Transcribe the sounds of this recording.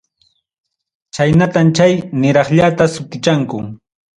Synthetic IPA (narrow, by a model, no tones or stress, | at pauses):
t͡ʃajnat̪amt͡ʃajnɪɾɑχʎat̪asʊt̪ɪt͡ʃaŋkʊ